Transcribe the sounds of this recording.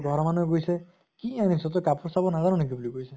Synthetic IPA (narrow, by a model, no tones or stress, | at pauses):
ɡʱɔɾɔmanɔ̃ɡojse | kianisɔt̪̬ɔkapuɾsabɔnazaɾɔnikibuliɡojse